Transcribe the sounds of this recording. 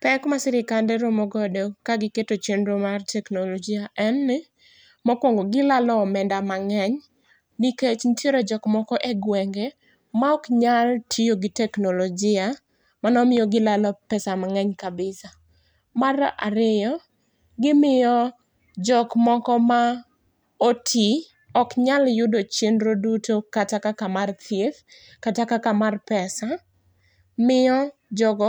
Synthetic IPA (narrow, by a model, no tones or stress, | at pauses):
pɛkmasɪɾɪkandɛɾomɔɡɔdokaɡɪketot͡ʃenɾomartɛknolod͡ʒɪaʔɛnːɪ | mɔkwɔŋɡoɡɪlalɔmɛndamaŋɛɲ | niket͡ʃnɪtʰjeɾod͡ʒɔkmɔkɔʔeɡwɛŋɡe | maɔkɲaltʰijoɡɪtɛknolɔd͡ʒɪa | manɔmɪjɔɡɪlalɔpɛsamaŋɛɲkabɪsa | mara̰ɾɪjɔ | ɡɪmɪjɔ | d͡ʒɔkmɔkɔma | otʰi | ɔkɲaljʊdot͡ʃjenɾodutokatakakamart̪ʰjef | katakakamarpɛsa | mɪɔd͡ʒɔɡɔ